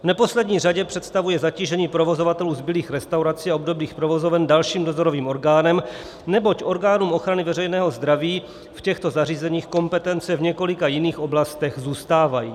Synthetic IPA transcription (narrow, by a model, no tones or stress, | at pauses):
vnɛpo̞slɛdɲiːr̝aɟɛpr̥ɛt̪st̪avujɛzaciːʒɛɲiːpɾo̞vo̞zo̞vat̪ɛluːzbɪliːxɾɛst̪awɾat͡siaobdo̞bliːxpɾovozovɛndalʃiːmdo̞zoɾoviːmʔo̞ɾɡaːnɛm | nɛbo̞cʔo̞ɾɡaːnuːmo̞xɾanɪvɛrɛjnɛːɦo̞zd̪ɾaviː | fcɛxt̪o̞zariːzɛɲiːxko̞mpɛt̪ɛnt͡sɛvɲɛko̞lɪkajɪniːxo̞blast̪ɛɣzuːst̪aːvajḭː